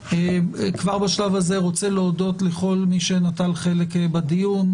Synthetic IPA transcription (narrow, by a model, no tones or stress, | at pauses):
ekvaʁbaʃlavaze̞ʁo̞t͡seleodo̞t̪leχo̞lmiʃe̞natalχe̞lekbad̪ijun